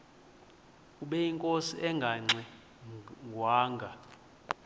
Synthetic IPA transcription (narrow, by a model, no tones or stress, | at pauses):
uɓɛiŋkʼosiʔɛŋɡʱaŋ͡ǀɛ | ŋɡʱwaːŋɡʱa